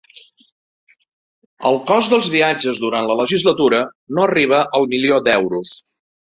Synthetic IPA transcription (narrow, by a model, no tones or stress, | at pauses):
ə̰lˠkɔzd̪əlˠzβiad͡ʒəzðuɾant̪lələʒizlət̪uɾənoəriβ̞əʔəlˠmiliod̪ɛwɾus